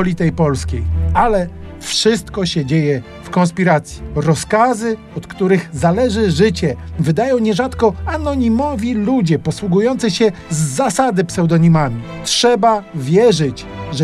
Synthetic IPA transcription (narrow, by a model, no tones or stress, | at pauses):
ɔlʲit̪ɛjpɔlskʲejalɛ | fʂɘst̪kɔɕɛd͡ʑejɛ | fkɔ̃nspʲiɾat̪sʲji̥ɾɔskazɘ | ɔt̪kt̪uɾɘɣzalɛʐɘʐɘt͡ɕɛvɘd̪ajɔ̃w̃ɲɛʐat̪kɔanɔɲimɔvʲilud͡ʑɛpɔswuɡujɔnt̪sɘɕɛzːasad̪ɘpsɛwd̪ɔɲimamʲi | tʂɛbavʲjɛʐɘt͡ɕ | ʐ